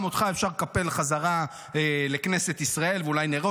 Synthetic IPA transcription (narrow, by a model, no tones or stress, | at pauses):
mot̪χaefʃaʁkape̞lχazaʁa | ele̞kneset̪isʁae̞lvulajneʁo